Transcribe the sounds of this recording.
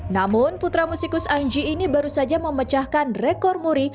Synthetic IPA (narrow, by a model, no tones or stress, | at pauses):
namʊnput̪ɾamusikʊsaɲd͡ʒiːnibaɾusad͡ʒaməmət͡ʃahkanrɛkɔrmuɾi